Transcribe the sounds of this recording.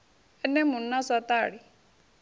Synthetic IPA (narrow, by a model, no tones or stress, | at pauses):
ɛnɛmunːasat̪aɽi